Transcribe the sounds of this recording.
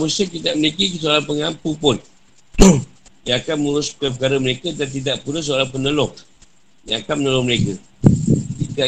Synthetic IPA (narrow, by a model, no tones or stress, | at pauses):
musəkit̪aʔmənikikəs̬oalapəŋampupʊn | jaakanmuɾʊspəkap̬əkaɾaməɾekadant̪̬idaʔpunəs̬oalapənəlʊŋ | jaakanmənəlʊŋməɾeka | tita